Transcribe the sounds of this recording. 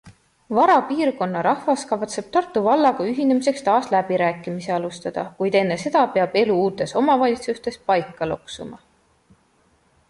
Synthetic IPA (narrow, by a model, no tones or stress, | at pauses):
vɑɾɑpiːrko̞nːɑɾɑhvɑskɑvt̪se̞b̥̚t̪ɑrt̪ːˑuvɑlːɑɡ̥ɑyɦine̞mise̞kst̪ɑːslæbiɾæːkˑːimiseɑlust̪ɑd̪̥ɑ̰kujd̪e̞nːe̞se̞d̪̥ɑpeɑb̥e̞luuːt̪ːˑe̞so̞mɑvɑlʲit̪sust̪e̞spɑjkːˑɑloksumɑ̰